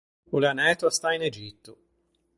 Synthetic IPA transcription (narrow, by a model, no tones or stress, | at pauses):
oleanɛːt̪oast̪ained͡ʒit̪ːo